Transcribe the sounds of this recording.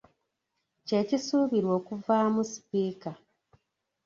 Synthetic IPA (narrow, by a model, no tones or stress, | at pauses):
ce̞cisuːβiɾwo̞ːkuvaːmusi̥piːka